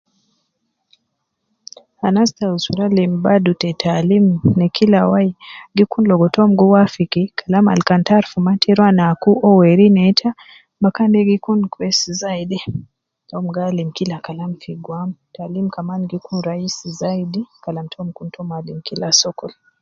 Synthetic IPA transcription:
hanastausuɾalimbadutɛtʰalimnɛkʰilawaiɡikunlɔɡɔtɔmɡuwafikikʰalama̰lkantaɾfumatiɾwanakuʔɔwɛɾinɛtʰa | bakandɛɡikunkwɛsizaidi | tɔmɡalimkilakalamfiɡwamtalimkamanɡikunɾaisizaidikalamtʰɔmkuntʰɔmalim̩kilasɔkɔl

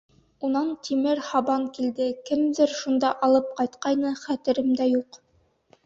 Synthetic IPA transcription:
unɑnt̪ʰimɘɾhɑbɑŋkild̪ɘkɘmðɘɾʃund̪ɑʔɑlˠɤp̚qɑjt̪qɑjnɤχæt̪ɘ̆ɾɘmd̪æjuq

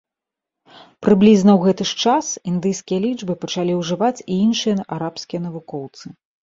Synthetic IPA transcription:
pɾɨblʲiznɐwɣɛt̪ɨʂt͡ʂasind̪ɨjskʲijɐlʲid͡ʐbɨpɐt͡ʂalʲiwʐɨvat͡sʲiinʂɨjɐaɾapskʲijɐnɐvukɔwt̪sɨ

